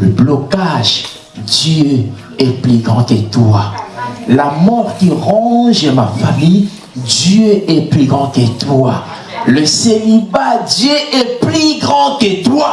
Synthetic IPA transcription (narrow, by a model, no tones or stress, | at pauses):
ləblɔkaʒ | d̪jø | ɛpliɡʁɑ̃kət̪walamɔʁkiʁɑ̃ʒəmafamij | d̪jøʔɛpliɡʁɑ̃ket̪wa | ləseibad̪jøʔɛpliɡʁɑ̃ket̪wa